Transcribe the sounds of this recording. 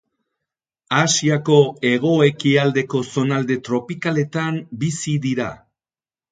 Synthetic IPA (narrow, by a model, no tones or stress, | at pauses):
asiako̞e̞ɣ̞o̞e̞kiald̪e̞ko̞so̞nald̪e̞t̪ɾo̞pikale̞t̪ambisiðiɾa̰